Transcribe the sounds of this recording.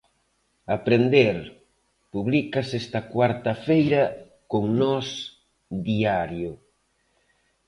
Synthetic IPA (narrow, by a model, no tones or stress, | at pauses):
apɾend̪eɾ | puβlikɐsɛst̪ɐkwaɾt̪ɐfejɾɐ | koŋnɔs | d̪iaɾjʊ